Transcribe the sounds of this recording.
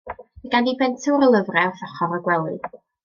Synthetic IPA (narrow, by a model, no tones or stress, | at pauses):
əɡandibɛntʰəɾəlˠəvrɛwθɔχɔɾəɡwɛlˠɨ